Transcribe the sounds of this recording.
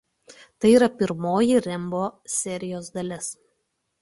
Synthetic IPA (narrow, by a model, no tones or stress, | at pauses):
t̪ɐɪiːɾɐpʲɪɾmoːjiɾʲɪmboːsʲɛɾʲɪjoːsd̪ɐlʲɪs